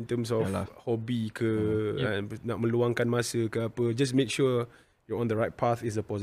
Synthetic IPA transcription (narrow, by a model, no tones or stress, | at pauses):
nt̪əms̬ɔfhɔbikʰəə̃nnaʔ̚mə̃luaŋkanmãsəkəapəd͡ʒas̬mẽkʃu | jɔɔ̃nd̪əɹaɪt̚pʰaθis̬əpɔz